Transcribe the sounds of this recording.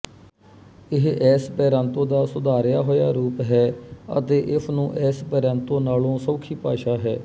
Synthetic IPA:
ɪɦɛːspɛːɾãːnt̪õːd̪aːsʊd̪aːɾjaːɦoːjaːɾuːpɦɛːə̰t̪eːʔɪsnũːʔɛːspɛːɾãːnt̪õːnaːlõːsɔːkʰiːpaːʃaːɦɛː

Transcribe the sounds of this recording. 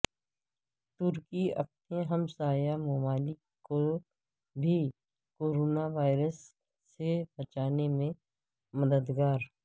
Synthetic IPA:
t̪ʊɾkiɐ̰p̚tneɦɐmsaːjamɔmaːlɪkːo | bʱi | koːɾoːnaʋaːɪɾəsː | ebɐt͡ʃaːnemẽ | mɐd̪əd̪ɡaːɾ

